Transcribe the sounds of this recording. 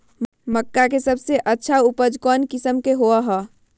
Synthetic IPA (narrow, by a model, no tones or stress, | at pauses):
məkːakesəbʱseʔətːʃʰaupəd͡ʒkɔnkisəmkeɦoəɦɔ